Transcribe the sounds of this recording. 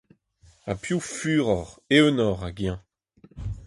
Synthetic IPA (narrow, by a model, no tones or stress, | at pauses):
apjufyːʁɔʁeønɔʁaɡjɛ̃